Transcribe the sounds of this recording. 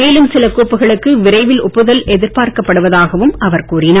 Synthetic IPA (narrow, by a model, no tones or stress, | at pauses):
eːlɯmsɪlɐkuːpːɯɣɐɭɯkːɯʋɪɾɐɪʋɪlʊpːɯðɐlʔɛðɪɾpaːɾkɐpːɐɽɯʋɐðaːɣɐʋɯmɐʋɐɾkuːrɪnɐ